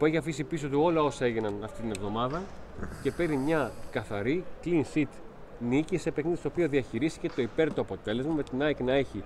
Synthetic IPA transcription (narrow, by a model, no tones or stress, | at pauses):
pue̞çiɐfisipiso̞t̪uo̞lɐo̞sɐe̞ʝinɐnɐft̪it̪ine̞vðo̞mɐðɐ | ce̞pe̞ɾimɲɐkɐθɐɾiklinsit̪ | nicise̞pe̞xniðist̪opio̞ðiɐçiɾist̪i̥cet̪o̞ipe̞ɾt̪oɐpo̞t̪e̞le̞zmɐme̞t̪inɐeknɐe̞çi